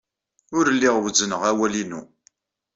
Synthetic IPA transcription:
ʊɾəlːiʁwəzənəʁæwælinṵ

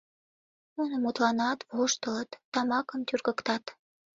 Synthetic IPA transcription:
unəmut̪lɑnɑt̪voʃt̪ələt̪ːɑmɑkəmt̪ʲyrɣə̆kt̪ɑt̪

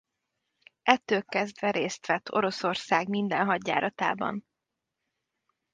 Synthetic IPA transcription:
ɛt̪ːøːlkɛzd̪ʋɛɾeːst̪ʋɛt̪ʰːo̞ɾo̞so̞rsaːɡmind̪ɛnɦɒɟːa̰ːɾɒt̪a̰ːbɒ̰n

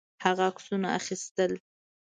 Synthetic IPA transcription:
haɣaksunaaxist̪əl

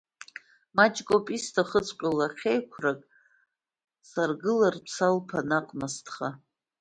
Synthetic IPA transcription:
mat͡ʃʼɡʼopʼistʰaχət͡sʰʼqʲʷʼalaχʲejkʷʰrakʼ | sarɡɨlarpʰsʰalpʰanaqʼmastʰχa

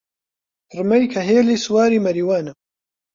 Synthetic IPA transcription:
rɨmɐjkʰɐɦeːliːsuwaːɾiːmɐɾiːwaːnɐ

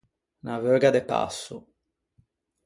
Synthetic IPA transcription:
navœːɡad̪epa̰sːu

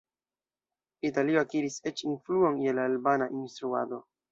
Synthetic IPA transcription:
italio̞akiɾiset͡ʃinfluo̞nje̞laːlbanaʔinst̪ɾua̰do̞

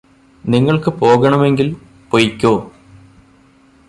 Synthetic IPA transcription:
niŋːɐɭkɨpo̞ːɣɐɳɐme̞ŋɡil | pojikʲːoː

